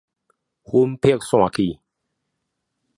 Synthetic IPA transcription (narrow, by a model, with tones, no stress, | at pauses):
hu˦mpʰi˥˨k̚sw̃ã˥˨ki˧˨